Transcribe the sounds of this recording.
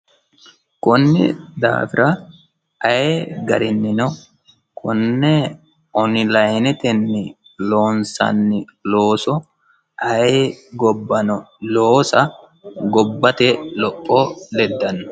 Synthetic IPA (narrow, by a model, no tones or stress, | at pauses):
kʊnːɪ̰d̪a̰ːfɪɾʔɐ | ɐjeɡɐɾɪnːɪnɔ | kʰʊnːɛ | ʔɔnɪlɐjnɛt̪ɛnːɪ | loːnsɐ̰nːɪloːsɔ | ɐjeɡɔbːɐnɔ | loːsɐ | ɡɔbːɐt̪ɛlɔpʼːolɛd̪ːɐnːɔ̥